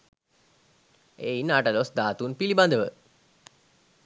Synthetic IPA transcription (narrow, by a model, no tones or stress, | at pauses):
einaʈəlosd̪aːt̪unpiliband̪əʋə